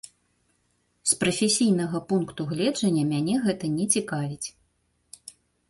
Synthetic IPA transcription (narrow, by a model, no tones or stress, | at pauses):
spɾɐfʲesʲijnɐɣɐpunkt̪uɣlʲɛd͡ʐɐnʲːɐmʲanʲɛɣɛt̪ɐnʲɛt͡sʲikavʲit͡sʲ